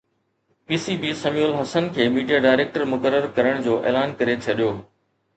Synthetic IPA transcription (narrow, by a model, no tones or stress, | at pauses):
piːsiːbiːsɐmiʊlɦɐsənkʰeːmiːɖijaɖaːɪɾeːk̚ʈəɾmʊkəɾəɾkɐɾəɽ̃d͡ʑoːʔḛːlaːnkɐɾet͡ɕʰɐɗijoː